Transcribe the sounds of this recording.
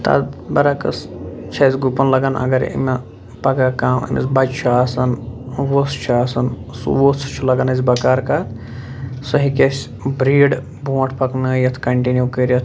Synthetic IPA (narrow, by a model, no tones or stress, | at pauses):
t̪a̰ːt̪bɐɾakɐ̰st͡ʃʰɐzʲɡupɐnlɐɡɐnɐ̰ɡɐɾ̰ḭmʲe | pɐɡaːkaːmḭmʲɐ̰sbɐd͡ʒt͡ʃʰaːsɐnʋost͡ʃʰaːsɐnsṵʋot͡st͡ʃʰulɐɡɐnɐzʲbɐkaːɾkaːt̪ʰ | sɐɦikʲesʲ | bɾiːɖ | bũːʈʰpɐknəːjɐt̪ʰkɐɳʈinjukəːɾɐt̪ʰ